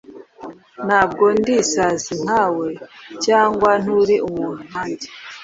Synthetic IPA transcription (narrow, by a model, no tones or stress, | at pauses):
n̥haːb̚ɡondisazin̥aːwe̞caːŋɡwan̥uɾiʔumuːn̥un̥aːɲɟe